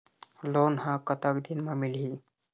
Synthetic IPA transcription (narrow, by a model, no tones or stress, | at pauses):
lonɦãkət̪əkd̪inmamilɦi